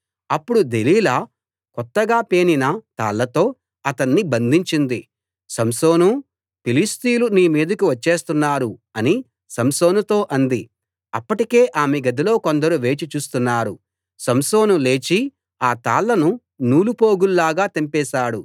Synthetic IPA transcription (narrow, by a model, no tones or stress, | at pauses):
ɐpːuɽud̪eliːlɐ | kɔt̪ːɐɡaːpeːninɐt̪a̰ːlːɐt̪o̞ː | ɐt̪ɐnːibɐnd̪ʱiɲt͡ʃind̪i | sɐmso̞ːnu | pilist̪iːluniːmiːd̪ɐkuʋɐt͡ʃːe̞ːst̪unːaːɾuɐni | sɐmso̞ːnut̪o̞ːʔɐnd̪i | ɐpːɐʈike̞ːʔaːmeɡɐd̪ilo̞ːkond̪ɐɾuʋe̞ːt͡ʃit͡ʃuːst̪unːaːɾu | sɐmso̞ːnule̞ːt͡ʃi | aːt̪aːlːɐnu | nuːlupo̞ːɡulːaːɡaːt̪impɛːʃaːɽu